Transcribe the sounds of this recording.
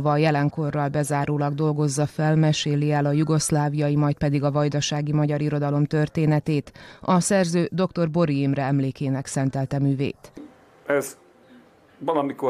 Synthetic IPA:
vɒjɛlɛŋko̞rːɒlbɛzaːɾoːlɒɡd̪o̞lɡo̞zːɒfɛlmɛʃeːliɛlɒjuɡo̞slaːvijɒjimɒjt̪̚pɛd̪iɡɒvɒjd̪ɒʃaːɡimɒɟɒɾiɾo̞d̪ɒlo̞mt̪ø̞rt̪eːnɛt̪eːt̪ɒsɛrzøːd̪o̞kt̪o̞rbo̞ɾiimrɛɛmleːkeːnɛksɛnt̪ɛlt̪ɛmyːvḛːt̪ | ɛz | ʋɒlɒmiko

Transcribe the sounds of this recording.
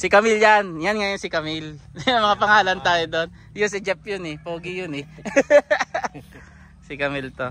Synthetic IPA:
sɪkɐmiljanjanŋɐjonsɪkɐmilʊnɐmɐŋapɐŋaːlɐnt̪aːjod̪on | jʊnsɪd͡ʒɛpjʊnɛpoːɡɪjʊnɛ | sɪkɐmilt̪o

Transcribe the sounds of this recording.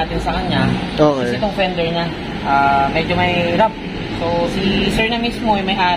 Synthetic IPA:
aːt̪ɪnsɐkɐɲa | oːkɐsɪt̪oŋfɛnd̪ɛɹɲa | ʔaːmɛd͡ʒomɐjɾap̚ | sosisɛɹnɐmismo̞jʊŋmɐjʔaː

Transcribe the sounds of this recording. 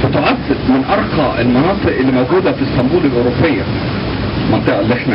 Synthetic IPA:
fɪt̪ʊʕasːɪd̪mɪnʔɑɾˤqɑʔɪlmɑnɑːt̪ˤɨʔɪlːiːmæwɡuːd̪æfɪsːɑmbuːlɪlʔoːɾopːɪjːæ̰ | lmɑnt̪ˤeʔɪlːiːʔeħnæ

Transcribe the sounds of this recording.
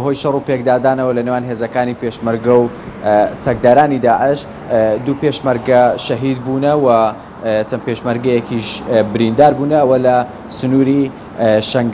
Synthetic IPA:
ɦojʃɑrˤupekd̪aːd̪aːnɐwɐlɐnewaːnɦezɐkaːnipeʃmɐɾɡɐw | t͡s̪ʰɐk̚d̪aːɾaːnid̪aːʕɪʃ | d̪upeʃmɐɾɡɐʃɐɦid̪bunɐwɐ | t͡sɐmpeʃmɐɾɡɐjɛkʰiʃbɨɾind̪aːɾbuːnɐːwɐlɐ | sʊnuːɾi | ʃɐŋɡ

